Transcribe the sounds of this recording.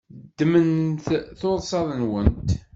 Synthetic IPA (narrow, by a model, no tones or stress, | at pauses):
d̪ːmənθθʊðˤsˤɑðˤənwənt̪